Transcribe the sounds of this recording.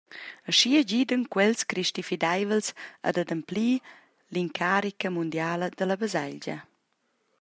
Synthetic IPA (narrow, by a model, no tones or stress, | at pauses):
əʃiəɟid̪ənkwɛlskɾiʃt̪ifid̪ajvəlsa̰d̪ad̪əmpliː | liŋkʰaɾikəmund̪jaːləd̪ələbəzaʎɟɐ̰